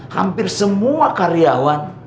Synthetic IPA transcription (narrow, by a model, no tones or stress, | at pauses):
ha̰mpɪrsəmuakaɾiawan